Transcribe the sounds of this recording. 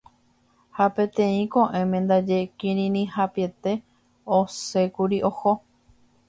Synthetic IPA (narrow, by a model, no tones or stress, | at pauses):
hapẽ̞t̪ẽĩkõʔẽ̞mẽnd̪ad͡ʒe̞kĩɾĩnĩhapie̞t̪e̞ | ose̞kuɾiʔo̞ho